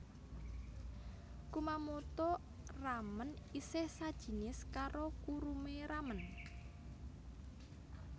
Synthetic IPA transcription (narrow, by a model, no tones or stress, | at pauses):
kumamot̪ɔ | ramən | isɪhsad̥ʒ̥i̤nɪskaɾokuɾumeɾamən